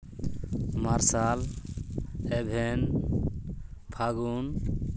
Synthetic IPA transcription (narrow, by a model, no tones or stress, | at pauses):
maɾsal | ebʱen | pʰaɡun